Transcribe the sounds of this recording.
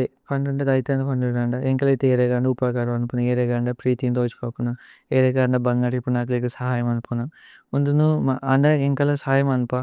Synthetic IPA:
ipʰɐɳɖuɳɖɐd̪ɐjt̪eːnd̪ɐpʰɐɳɖuɳɖaːɳɖaeŋkɐlɐt̪eːɾeɡaɳɖaupaːkaːɾɐmɐnupunɐeːɾeːɡaɳɖapɾiːt̪ind̪oɐt͡ʃu̥koːkunːaeːɾeɡaːɳɖabɐŋɡaːʈipːunaːk̬lekɐsɐɦaːjɐmɐnupona | und̪unuɐɳɖaeŋkɐlɐsaːjɐmɐnupa

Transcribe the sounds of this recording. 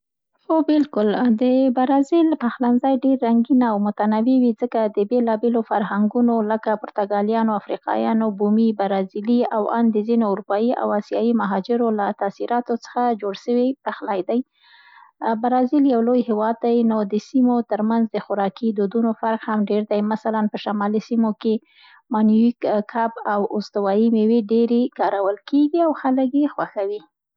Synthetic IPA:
xobɪlkʊld̪əbaɾɑzilpaxlanzɑjɖeɾːaŋɡinaːwmʊt̪anawiwid͡zəkad̪əbelɑbelofaɾɦaŋɡunoləkapʊɾt̪aɡɑljɑnoafɾiqɑ̰jɑ̰nobumibaɾɑziliawa̰nd̪əzinoʊɾupɑjiʔa̰wasjɑjimaɦɑd͡ʒɪɾolat̪asiɾɑt̪ot͡sə̥xad͡ʒoɽʃəwit̪axlajd̪aj | baɾɑziljawlojhɪwɑd̪̚ːajnod̪əsimot̪əɾmanzd̪əxʊɾɑkid̪od̪unofaɾqhamɖeɾd̪ajmasalanpəʃamɑlisimoke | mɑnuikkʰabawʊst̪awɑjimeweɖeɾekɑɾawəlkeɡiawxaləkjexwaxawi

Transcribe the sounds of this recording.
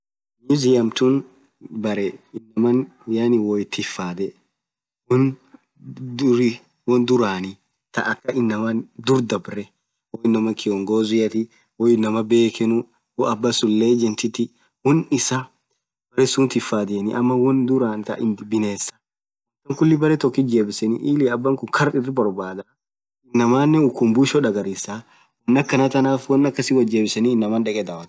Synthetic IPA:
mizɪjɐmt̪ʊn | bɐɾɛɪnːɐmɐnjanɪwɔjɪt̪ːɪfːaːd̪ɛ | wɔn | ɾɪ | wɔnd̪ʊɾaːnɪ | t̪ɐʔɐkːɐɪnːɐmɐnd̪ʊɾd̪ɐbɾɛ | wɔjɪnːɐmɐkɪjɔŋɡoːzɪjɐt̪ɪ | wɔjɪnːɐmɐbe̞ːkɛnʊ | wɔɐbːɐsʊlːeːd͡ʒɛnt̪ɪt̪ːɪ | wɔnɪsa | bɐɾɛsunt̪ɪfːaːd̪ɪɛnɪʔɐmːɐwɔnd̪ʊɾaːnt̪ɐ̰ʔɪnɪbɪneːsːɐ̥ | ɐkːɐŋkʊlːɪbɐɾɛt̪ɔkːɪd͡ʒeːbɪsɛniʔiːlɪɐbːɐŋkʊŋkʰɐɾɪrːɪbɔɾbaːd̪ɐ | ɪnːɐmaːnːɛʊkːʊmbuʃɔᶑɐɡɐɾisa | wɐnːɐkːɐnɐt̪ɐnaːfwɐnːɐkːɐsɪwɐd͡ʒeːbɪsɐniːnːɐmɐːnᶑɛkʼɛd̪aːwɐt̪

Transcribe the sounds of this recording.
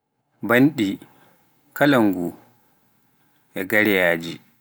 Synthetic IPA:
banɗi | kalaŋɡu | ʔɛɡaɾɛjaːd͡ʒi

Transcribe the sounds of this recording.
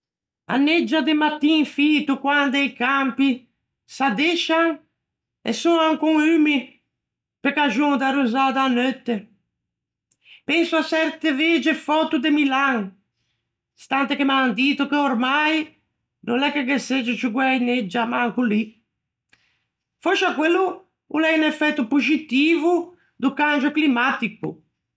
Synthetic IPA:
a̰nːed͡ʒːad̪emat̪ːiŋfiːt̪ukwand̪ejkampi | sad̪eʃaŋ | ḛsunaŋkuŋyːmi | pekaʒuŋd̪aɾuzaːd̪aːnːøt̪ːe | pɛnsuasɛɾt̪eved͡ʒefɔt̪ud̪emilaŋ | st̪ant̪ekemaand̪iːt̪ukeoɾmaj | nʔonɛkːeɡesed͡ʒɪt͡ʃuɡwɛjned͡ʒːamaŋkuli | fɔʃakwelːuː | lɛinɛfɛt̪ːupud͡ʒit̪iːvu | d̪ukand͡ʒʊklimat̪ikṵ

